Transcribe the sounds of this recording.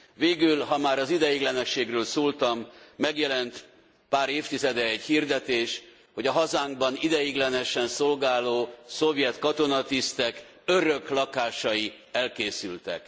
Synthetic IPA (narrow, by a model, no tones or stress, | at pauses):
veːɡylɦɒmaːɾɒzid̪ɛjiɡlɛnɛʃeːɡrøːlsoːlt̪ɒmːɛɡjɛlɛnt̪ | paːɾeːft̪izɛd̪ɛɛɟhird̪ɛt̪eːʃ | ho̞ɟɒɦɒzaːŋɡ̚bɒnid̪ɛjiɡlɛnɛʃɛnso̞lɡaːloːso̞vjɛt̪kɒt̪o̞nɒt̪ist̪ɛk | ø̞ɾø̞klɒkaːʃɒji | ɛlkeːsylt̪ɛ̰k